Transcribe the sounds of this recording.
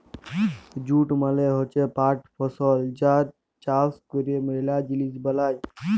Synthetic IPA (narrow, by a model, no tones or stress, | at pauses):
d͡ʒuːʈməleɦot͡ʃepaːʈʰpʰɔsɔːld͡ʒaːɾ | t͡ʃaːskuɾiemeɾlaːd͡ʒilisbəlaːj